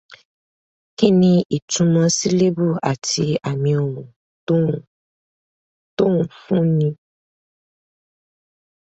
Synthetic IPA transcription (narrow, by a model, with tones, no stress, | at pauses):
ke˦nĩ˧ʔi˨tũ˧mã˧si˦le˦bu˦ʔa˨tʰi˧a˨mĩ˧o˨mũ˨˦˨ | t̪o˦ŋũ˨fũ˦nĩ˧